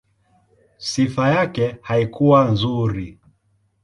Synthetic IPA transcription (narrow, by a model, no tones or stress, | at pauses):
sifajakɛhaikuwanzuɾi